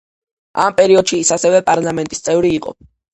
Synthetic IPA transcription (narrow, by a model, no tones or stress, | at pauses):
a̰mpʼɛɾiɔd̪ʃiːsasɛvɛpʼaɾlamɛnt̪ʼist̪sʼɛvɾiːqʼɔ̰